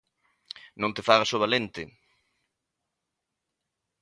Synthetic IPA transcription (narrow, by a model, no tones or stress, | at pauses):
nõnt̪efaɣasoβalent̪ɪ